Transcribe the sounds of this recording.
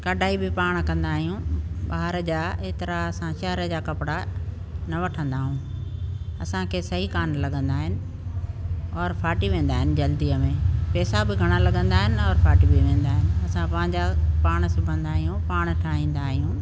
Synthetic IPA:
kɐɖʱaːibɪpaːɽ̃kɐ̃nd̪aːɦijũɓaːɦɪɾəd͡ʑaːet̪ɐɾaɐsãʃɛɦəɾəd͡ʑaːkɐpɪɽa | nɐʋɐʈʰə̃nd̪aːɦũː | ɐsãkʰeːsɐɦikaːnlɐɠə̃nd̪aːɦɪnɪ̆ | ɔːɾfʰaːʈiʋẽːn̆d̪aːɦɪnɪ̆d͡ʑɐld̪iəmẽpɛːsabɪɡʱɐɽ̃alɐɠə̃nd̪aːɦɪnɪɔːɾfʰaːʈibʱɪʋẽːnd̪aːɦɪnɪ̆ɐsãpɐɪ̃ɲd͡ʑapaːɽ̃sʊbʱə̃nd̪aːɦijũpaːɽ̃ʈʰaːĩːn̆d̪aːɦijũː

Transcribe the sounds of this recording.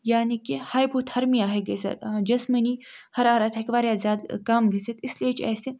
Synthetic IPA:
jaːnikihaːjbut̪ʰɐɾmiaːɦeɡesɐ̰t̪ːd͡ʒɐsmɐnihɐɾaːɾaːt̪ʰɐkʋaːɾjaːzʲjaːd̪kaːmɡisɐt̪ɪsliet͡ʃʰɛ̰ːse

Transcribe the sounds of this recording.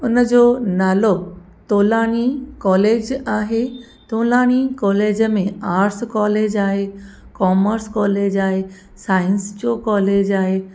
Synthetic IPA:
ʊnəd͡ʑoːnaːlo | t̪oːlaːɽ̃ikɔːleːd͡ʑaːɦe | t̪oːlaːɽ̃ikɔːleːd͡ʑəmẽaːɾskɔːleːd͡ʑaːɦe | kɔːməɾskɔːleːd͡ʑaːɦe | saːɪ̃nst͡ɕoːkɔːleːd͡ʑaːɦeː

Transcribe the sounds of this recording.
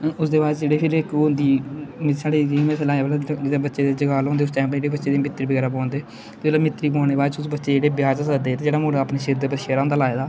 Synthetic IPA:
ʊsd̪eːbaːd͡ʒd͡ʒeːɽeːpʰɪɾɪkːʊnd̪iːmsaːɽiːd͡ʒimɛslãːeblaːɪd̪eːbətːʃeːd̪eːd͡ʒəɡaːlõːnd̪eʊst͡ʃãːpːd͡ʒeːɽeːbətːʃeːd̪eːmɪt̪ːɾiːbəɡɛːɾaːpãːnd̪eː | eelaːmɪt̪ɾiːpãːneːbaːd͡ʒʊsbətːʃeːd͡ʒeːɽeːbɪjaːd͡ʒasəkd̪eːt̪ẽːd͡ʒeːɽaːmʊːɽaːpneːʃeːd̪eːpəʃeːɾãːnd̪aːlaːeːd̪aː

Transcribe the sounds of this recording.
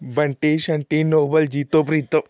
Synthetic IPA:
bɐɳʈiːʃɐɳʈinoːbəld͡ʒiːt̪opɾiːt̪ːo

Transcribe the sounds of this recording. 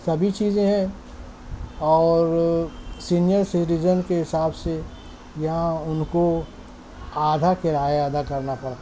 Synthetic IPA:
sɐbʱit͡ʃiːzẽɦɛ̃ | ɔːɾsiːnijəɾsɪɾizənkeɦɪsaːbse | jɐɦãʊnko | aːd̪ʱakɪɾaːead̪ʱakɐɾnapɐɽt̪ː

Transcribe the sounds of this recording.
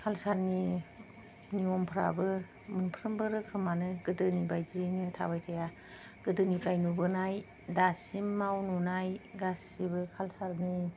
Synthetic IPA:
kʰalsaɾni | niɔmpʰɾa̰bɯ | mɯnpʰɾɯmbɯɾɯkʰɯmanɯɡɯdɯnibajzinɯtʰa̰bajtʰaja | ɡ̥ɯdɯnipʰɾajnubɯnaj | dasimːawnunajɡasibɯkʰalsaɾni

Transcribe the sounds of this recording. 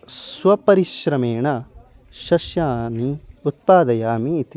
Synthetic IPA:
sʋɐpɐɾiʃɾɐmeːɳɐ | ʃɐʃjaːmiut̪̚paːd̪ɐjaːmiːt̪i

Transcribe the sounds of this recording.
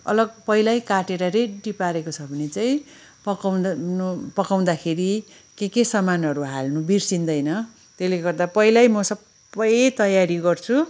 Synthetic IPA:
ʌ̰lʌɡpʌjlajkaʈeɾʌɾeɖipaɾekot͡sʰʌbʱʌnet͡saĩ | pʌkwnpʌkaw̃d̪akʰeɾi | kekesʌmanʌɾuɦalnubirsind̪ʌjnʌ | t̪eleɡʌrd̪apʌilajmʌsʌb | ʌjt̪ʌjaɾiɡʌrt͡sʰu

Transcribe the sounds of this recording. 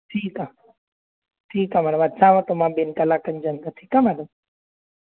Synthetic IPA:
ʈʰiːka | ʈʰiːkamɛːɽəmɐt̪sãːʋãt̪omãbenkɐlaːkənd͡ʒənd̪aʈʰiːkamɛːɽəm

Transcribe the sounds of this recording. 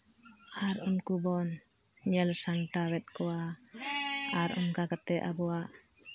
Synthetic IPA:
aɾunkubɔn | ɲɛlsaŋʈawɛt̪̚kɔwa | aɾṵnkakat̪ɛʔa̰bɔwaʔ

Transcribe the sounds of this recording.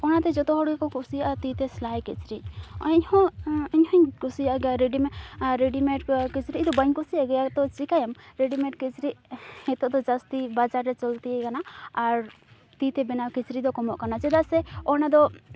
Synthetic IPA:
ɔnat̪ɛd͡ʒɔt̪ɔɦɔɽɡɛkɔkusiat̪it̪ɛslajkɛt͡ʃɾiɔɲhɔ̃iɲhɔ̃ɲkusiaɡɛjaɾeɖimɛɾeɖimɛʈkit͡ʃɾid̪ɔbaɲkusiaɡɛjat̪ɔt͡ʃikajamɾeɖimɛʈkit͡ʃɾiʔɛt̪ɔʔd̪ɔd͡ʒast̪ibad͡ʒaɾːɛt͡ʃɔlt̪iekanaːɾ | t̪it̪ɛbɛnawkit͡ʃɾid̪ɔkɔmɔʔkanat͡ʃɛd̪asɛɔnad̪ɔ

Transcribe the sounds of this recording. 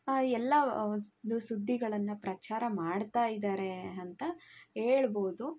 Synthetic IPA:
ɛlːɐnd̪usud̪ʱːiɡɐɭɐnːɐpɾɐt͡ʃaːɾɐmaːɖt̪aːjid̪aːɾeɐnt̪ɐɦeːɭboːd̪u

